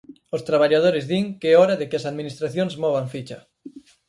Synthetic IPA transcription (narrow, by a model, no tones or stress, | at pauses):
ʊst̪ɾaβaʎað̞oɾɪzðiŋkɪɔɾɐðɪkɪɐsaðminist̪ɾaθjoŋzmɔβ̞aŋfit͡ʃɐ